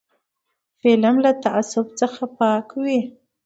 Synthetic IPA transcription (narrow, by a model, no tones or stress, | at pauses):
felamlat̪aʔasʊbt͡səxapɑkwi